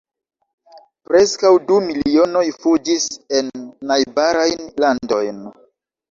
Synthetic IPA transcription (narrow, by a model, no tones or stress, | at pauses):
pɾe̞skawdumilio̞no̞jfud͡ʒise̞nːajbaɾajnlando̞jn